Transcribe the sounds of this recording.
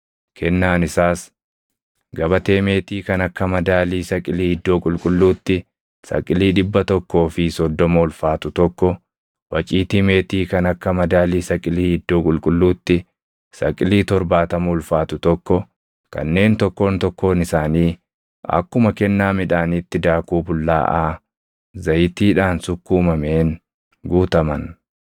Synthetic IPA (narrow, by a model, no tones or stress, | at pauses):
kʰɛnːaːnɪsaːs | ɡɐbɐt̪e̞ːmeːt̪iːkɐnɐkːɐmɐd̪aːliːsɐkʼɪliːhɪd̪ːo̞ːkʼʊlkʼʊlːuːt̪ːɪ | sɐ̰kʼːɪliːᶑɪbːɐt̪ɔkːo̞ːfɪsɔd̪ːɔmoːlfaːt̪ʊt̪ɔkːɔ | wɐt͡ʃʼiːt̪ime̞ːt̪iːkɐnɐkːɐmɐd̪aːliːsɐkʼɪliːhɪd̪ːoːkʼʊlkʼʊlːuːt̪ːɪ | sɐ̰kʼɪliːt̪ɔɾbaːt̪ɐmuːlfaːt̪ʊt̪ɔkːɔ | kɐ̰nːe̞ːnt̪ɔkːo̞ːnt̪ɔkːo̞ːnɪsaːniː | ɐ̰kːʊmɐkɛnːaːmɪᶑaːnit̪ːɪd̪aːkuːbʊlːa̰ːʔaː | zɐjɪt̪iːᶑaːnsʊkːuːmɐmeːn | ɡuːt̪ɐmɐn